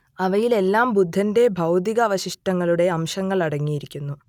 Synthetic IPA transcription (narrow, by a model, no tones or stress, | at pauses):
ɐʋɐjile̞lːaːmbud̪ʱːɐnde̞bʱɐwd̪iɣɐːʋɐɕiʂʈɐŋːɐɭuɽe̞ɐmɕɐŋːɐɭɐɽɐŋːijiɾikʲːunːu